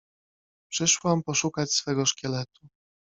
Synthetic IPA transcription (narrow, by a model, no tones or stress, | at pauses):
pʂɘʂwampɔʂukat͡ɕsfɛɡɔʂkʲɛlɛt̪u̥